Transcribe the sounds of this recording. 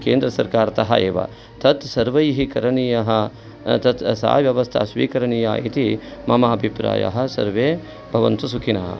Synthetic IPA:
keːnd̪ɾɐsɐɾkaːɾɐt̪ɐɦɐ̰eːʋɐ̰ | t̪ʰɐt̪sɐɾʋɐjɦikɐɾɐɳijɐɦɐ | t̪ɐt̪sa̰ːʋjɐʋɐst̪ʰɐ̰ɐsʋḭːkɐɾɐɳija̰ːit̪imɐmaːbʱipɾa̰ːjɐ̰ɦɐ̆sɐ̰ɾʋeː | bʱɐʋɐnt̪usukʰinɐɦɐ̰

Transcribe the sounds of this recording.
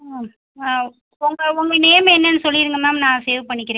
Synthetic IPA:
a | ʊŋɡɐʊŋɡɐneːmɛnːɐnːɯsɔlːɪɾɯŋɡɐmaːnãːseːʋpɐɳːɪkːɪɾẽː

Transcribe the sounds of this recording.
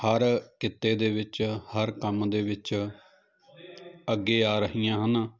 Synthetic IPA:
həɾkɪt̪ːeːd̪eːʋɪt͡ʃhəɾkəmd̪eːʋɪt͡ʃ | əɡːeːaːɾəɦijãːɦənaː

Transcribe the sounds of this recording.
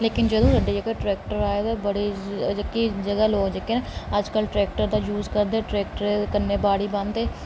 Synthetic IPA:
leːkɪnd͡ʒəd̪õːɾəɖiːd͡ʒəɡaʈɾɛːk̚ʈəɾaːjad̪abəɽid͡ʒɪkːid͡ʒəɡaloːɡd͡ʒɪkenẽəd͡ʒkəlʈɾɛːk̚ʈəɾd̪aːjuːzkəɾd̪eːʈɾɛːk̚ʈəɾekəɾneːbaːɽiːbə̃nd̪eː

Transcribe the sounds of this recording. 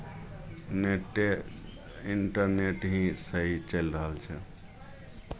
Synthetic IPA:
neʈe | iɳʈəɾneʈɦĩsəɦit͡ʃəjlɾəɦəlt͡ʃʰɛ̰

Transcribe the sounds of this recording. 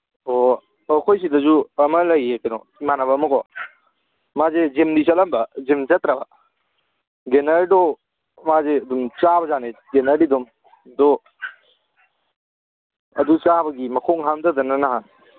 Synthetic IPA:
o | ɐkʰojs̬idɐzuɐmɐlɐjekenɔ̰ | imanɐbɐːmɐkʰɔ | mazezimdisɐlambɐzimzɐt̪ɾabɐ | ɡenaɾɾdɔ | mazeɐdumt͡ʃabɐzaneɡenɐɾidɔm | dɔ | ɐ̰dut͡ʃabɐɡimɐkʰɔŋɦamdɐdɐnɐnaɦan

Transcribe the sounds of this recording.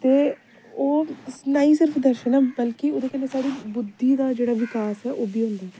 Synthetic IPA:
t̪eː | oːsnaːiːsɪɾəpʰd̪əɾʃɛːnaːbəlkioːd̪eːkɛːnesaːɾiːbʊd̪ːiːd̪aːd͡ʒeːɽaːʋɪkaːsɦɛːʔoːbʱiːɦʊ̃nd̪aː

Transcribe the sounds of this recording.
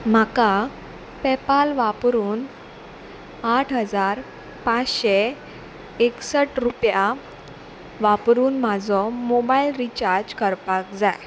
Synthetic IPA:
m̤aka | pɛpalʋapɾuːn | aʈʰɦəd͡zaɾ | pat͡sɕe | eksəʈɾupja | ʋapɾuːnm̤ad͡zɔmobailɾit͡ɕaɾd͡ʑkəɾpakd͡zaj

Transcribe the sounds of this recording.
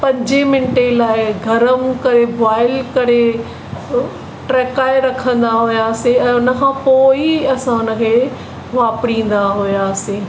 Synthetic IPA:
pɐ̃ɲd͡ʑemɪnʈelaːɪɡʱɐɾəmkɐɾebaːɪlkɐɾe | ʈɾɛːkaːɪɾɐkʰə̃nd̪aɦʊjaːseɛ̃ːʊnə̆kʰãːpoːiɐsãʊnəkʰeː | ʋaːpɽĩːn̆d̪aɦʊjaːsẽː

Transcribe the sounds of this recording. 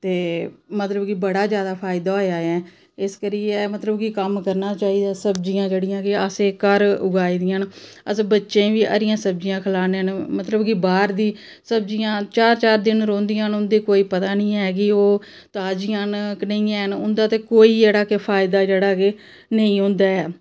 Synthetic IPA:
t̪eːmət̪ləbkɪbəɽaːzjaːd̪aːpʰaːɪd̪aːoːjaːɛ̃ː | ɪskəɾiːɛmət̪ləbkikəmkəɾnaːt͡ʃaːiːd̪aːsəbd͡ʒijãːd͡ʒeːɽɪjãːkɪəseːkəɾʊɡaːiːd̪ɪjãːnəsbətːʃẽːʋiːʔə̰ɾɪjãːsəb̚d͡ʒɪjãːkʰəlaːneːnmət̪ləbkibaːɾd̪iː | səb̚d͡ʒijãːt͡ʃaːɾt͡ʃaːɾd̪ɪnɾõːnd̪ijãːnʊnd̪eːkoːiːpət̪aːnĩːɛːk̬ɪoː | t̪aːd͡ʒɪjãːnknə̃ĩːɛːnʊnd̪aːt̪eːkoːiːd͡ʒeːɽaːkepʰaːɪd̪aːd͡ʒeːɽaːke | nəĩːɦʊ̃nd̪aːɛː

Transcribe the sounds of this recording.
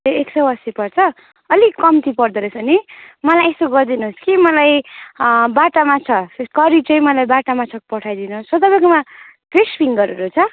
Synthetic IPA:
oeksʌwʌst̪ipʌrt͡sʰʌ | ʌlikʌmt̪ipʌrd̪eɾʌsʰʌnimʌlajest̪oɡʌrd̪inuɦoskimʌlaj | baʈamat͡sʰʌkʌɾit͡sʌj̃mʌlajbaʈamat͡sʰʌkpʌʈʰajd̪inuossʌt̪ʌbãjkoma | pespʰiŋɡʌɾeɾut͡sʰʌ

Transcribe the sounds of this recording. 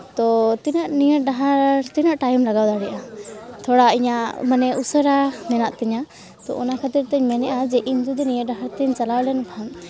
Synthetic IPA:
t̪ɔt̪inaʔnijəɾ̚ɖaɦaɾɾt̪inaʔʈajmlaɡawd̪aɽɛʔat̪ʰɔɽaiɲamanɛʔusəɾamɛnaʔt̪ɛɲa | t̪ɔ̰ʔɔnakʰat̪iɾt̪ɛɲmɛnɛʔad͡ʒɛʔiɲd͡ʒud̪ɛnijəɾ̚ɖaɦaɾt̪ɛɲt͡ʃalawlɛnbʰan

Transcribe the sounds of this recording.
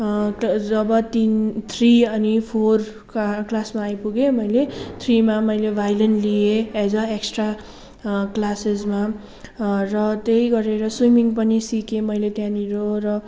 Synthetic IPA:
d͡zʌbʌt̪int̪ʰriʌnipʰor | klasmaːjpuɡemʌjlet̪ʰrimamʌjlebʱajlenlieed͡zʌeksʈra | klasezma | rʌt̪ejɡʌɾeɾʌswimiŋpʌnisikemʌjlet̪jãniɾorʌ

